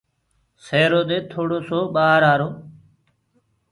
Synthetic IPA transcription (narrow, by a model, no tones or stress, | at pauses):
seːɾoːd̪eːt̪ʰoːɽoːsoːɓaːɾaːɾoː